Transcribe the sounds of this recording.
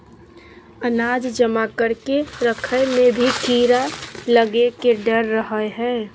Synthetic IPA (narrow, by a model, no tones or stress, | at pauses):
ənaːd͡ʒd͡ʒəmakəɾkeɾəkʰəjmẽbʱikiːɾaləɡekeɖəɾːəɦəɦɛː